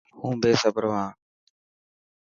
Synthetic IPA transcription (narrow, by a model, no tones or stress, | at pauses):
hũːbeːsəbəɾʋãː